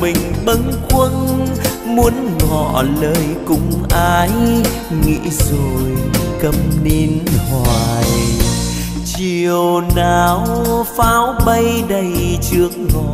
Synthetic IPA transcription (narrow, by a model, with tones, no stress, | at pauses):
mï˨˩ŋ̟ɓə˨˦ŋkwə˧n | mu˨˦ənŋɔ̰˧˩˨ləː˧jkʊ̰˧˥ŋ͡mʔaː˧j | ŋḭ˧˥zo˨˩jkə˧˩mne˧nhɔ˨˩j | t͡ɕi˨˩əwnaː˨˩wfaː˨˦wɓə˧jɗə˧jt͡ɕɨ˨˦˥ək̚ŋɔ˨˩